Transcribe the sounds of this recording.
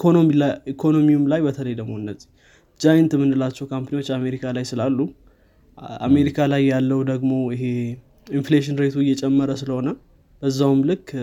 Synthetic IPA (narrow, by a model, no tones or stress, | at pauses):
kooikʰo̞nomiumlajbət̪ʰələjd̪əɡmonːəzʼi̥ | d͡ʒajnt̪ɨmːɨndɨlat͡ʃːɛwkʰampniwo̞t͡ʃːame̞ɾikʰalajsɨlalːu | a̰me̞ɾikʰalajːalːəwud̪əɡmo̞ɪɦe | infleʃ̬ɪnɾet̪ʰuɨjːɛt͡ʃʼɛmːəɾəsɨləho̞nə | b̥əzːawmlɨkː